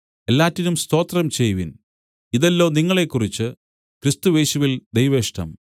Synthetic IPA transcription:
e̞lːaːtːinumst̪o̞ːt̪rɐmt͡ɕe̞jʋin | iðɐlːo̞ːniŋːɐɭe̞kːurit͡ɕːɨ | krist̪uʋe̞ːɕuʋild̪ejʋeːʂʈɐ̰m

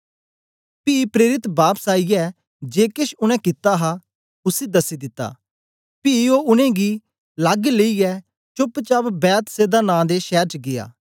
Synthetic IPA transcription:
piːpɾeːɾɪt̪baːpsaːijɛ | d͡ʒeːkɪʃʊnɛ̃kɪt̪ːaɦa | ʊsed̪ɐsid̪ɪt̪ːa̰ː | piːoːʊnẽɡi | lɐɡleijɛ | t͡ʃʊpt͡ʃabbɛːt̪seːd̪anãːd̪eʃɛːɾt͡ʃɡɪja̰ː

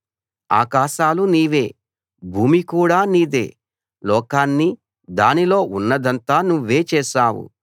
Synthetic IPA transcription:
a̰ːkaːʃaːluniːʋe̞ː | bʱuːmikuːɽaːniːd̪eː | lɔːkaːnːi | d̪aːnilo̞ːʔunːɐd̪ɐnt̪aːnuʋːe̞ːt͡ʃɛːʃaːwṵ

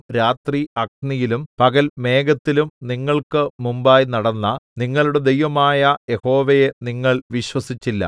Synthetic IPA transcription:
ɾaːt̪riɐk̚nijilumpɐɡɐlme̞ːɡɐt̪ːilumniŋːɐɭkɨmumbaːjnɐɽɐnːɐniŋːɐɭuɽe̞d̪ejʋɐmaːjɐje̞ho̞ːʋeje̞niŋːɐɭʋiɕwɐsit͡ɕːilːɐ̰

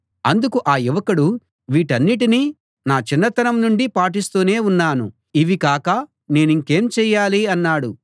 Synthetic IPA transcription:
ɐnd̪ukuʔaːjiʋɐkɐɽu | ʋiːʈɐnːiʈ̬ini | naːt͡ʃinːɐt̪ɐnɐmnuɳɖipaːʈ̬ist̪uːne̞ːunːaːnṵ | iʋikaːkɐ | ne̞ːniŋke̞ːmt͡ʃɛːjaːliɐnːaːɽu

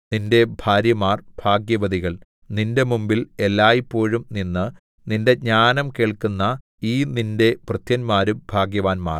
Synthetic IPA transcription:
ninde̞bʱaːɾjɐmaːrbʱaːɡjɐʋɐðiɣɐɭ | ninde̞mumbilelːaːjipːo̞ːɻumninːɨ | ninde̞ɲaːnɐmkeːɭkunːɐ | iːninde̞prɨt̪jɐnmaːɾubʱaːɡjɐʋaːnma̰ːr

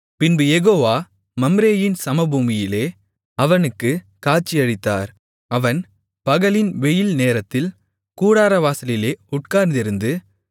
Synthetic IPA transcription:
pɪnbɯjɛɣoːʋaː | mɐmɾeːjɪnsɐmɐbuːmɪjɪleː | ɐʋɐnɯkːɯ | kaːɾ̚t͡ʃːɪjɐɻɪt̪ːa̰ːɾ | ɐʋɐn | pɐɣɐɭɪnʋɛjɪlneːɾɐt̪ːɪl | kuːɽaːɾɐʋaːsɐlɪleːʊʈ̚kaːɾnd̪ɪɾɯnd̪ɯ

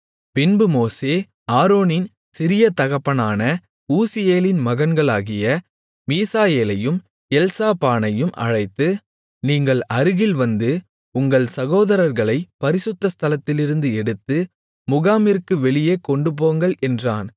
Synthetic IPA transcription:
pɪnbɯmoːseː | aːɾoːnɪn | sɪɾɪjɐt̪ɐɣɐpːɐnaːnɐ | uːsɪjeːlɪnmɐɣɐnɡɐɭaːɣɪjɐ | miːsaːjeːlɐjɯm | ɛlsaːpaːnɐjɯmʔɐ̰ɻɐɪt̪ːɯ | niːŋɡɐɭɐɾɯɣɪlʋɐnd̪ɯ | ʊŋɡɐɭsɐɣoːðɐɾɐɾɣɐɭɐɪpɐɾɪsɯt̪ːɐst̪ʰɐlɐt̪ːɪlɪɾɯnd̪ɯɛɽɯt̪ːɯ | mʊɣaːmɪɾkːɯʋɛɭɪjeːkɔɳɖɯp̬oːŋɡɐɭʔɛndraːn

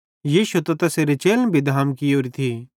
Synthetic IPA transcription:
jiːʃut̪ɐt̪ɐseːɾet͡ʃeːlnbʱid̪ʱaːmkioːɾit̪ʰiː

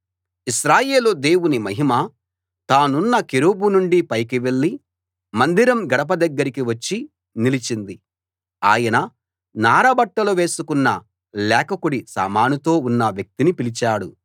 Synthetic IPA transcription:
iʃɾaːje̞ːlud̪e̞ːwunimɐɦimɐ | t̪aːnunːɐkeɾuːbunuɳɖipɐjkiʋe̞ɭːi | mɐnd̪iɾɐmɡɐɽɐp̬ɐd̪ɐɡːɐɾikiʋɐt͡ʃːi | nilit͡ʃind̪i | aːjɐnɐ | naːɾɐbɐʈːɐluʋe̞ːsukunːɐ | lɛːkɐkuɽisa̰ːmaːnut̪o̞ːunːɐʋjɐk̚t̪inipilit͡ʃaːɽu

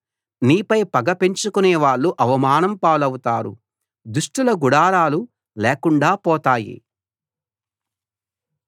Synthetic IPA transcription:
niːpɐjpɐɡɐpe̞ɲt͡ʃukunɛːʋaːɭːuʔɐʋɐmaːnɐmpaːlɐwut̪aːɾṵ | d̪uʂʈulɐɡuɽaːɾaːlu | leːkuɳɖaːpɔːt̪aːjḭ

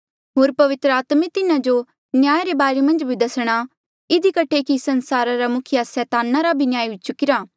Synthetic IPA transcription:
ɦoːɾpɐʋɪt̪ɾəaːt̪met̪ɪnãd͡ʒo | njaːjɾebaːɾemɐ̃nd͡ʒbʱid̪ɐsɽ̃a | ɪd̪ʱikɐʈʰekisɐnsaːɾaɾamʊkʰɪjasɛːt̪aːnaɾabʱinjaːjɦʊt͡ʃʊkɪɾaː

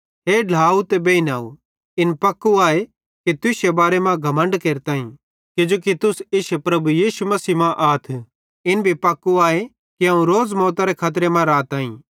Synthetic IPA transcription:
ɦeːɖʱaːut̪ebeːinaːṵ | ɪnpɐkːuaːe | kit̪ɪsebaːɾemãɡʱɐmə̃ɳɖkeːɾt̪ãːḭ̃ | kɪd͡ʒoːkit̪ʊsɪʃepɾɐbujiːsumɐsiːmãʔaːt̪ʰ | ɪnbʱipɐkːuaːe | kiãːũɾoːd͡zmɔːt̪aɾekʰaːt̪̬ɾemãɾaːt̪aːḭ̃

